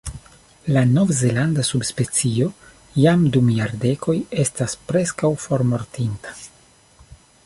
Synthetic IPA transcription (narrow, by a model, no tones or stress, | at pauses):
lano̞vze̞landasubspe̞t͡sio̞ | jamdumjaɾde̞ko̞je̞staspɾe̞skawfo̞ɾmo̞ɾtintḁ